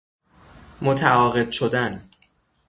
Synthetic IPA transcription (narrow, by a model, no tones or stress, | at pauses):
mot̪ʰæɒːɣe̞d̪̥̚ʃo̞d̪æn